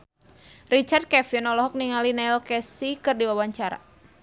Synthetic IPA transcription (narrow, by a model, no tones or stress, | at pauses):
rit͡ʃard̪̚kɛfinɔlɔɦɔk̚niŋalinailkɛsikɨrdiwawaɲt͡ʃaɾa̰